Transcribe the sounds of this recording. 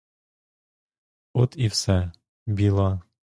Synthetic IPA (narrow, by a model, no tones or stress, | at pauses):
ot̪ifsæ | bʲilˠɑ